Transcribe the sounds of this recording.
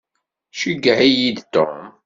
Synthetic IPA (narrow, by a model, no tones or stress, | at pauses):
ʃəɡːəʕijid̪t̪om